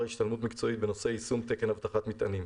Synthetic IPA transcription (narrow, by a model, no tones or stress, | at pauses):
hiʃt̪almut̪̬mikt͡so̞it̪̚benose̞isumt̪eke̞nhavt̪aχat̪mit̪anim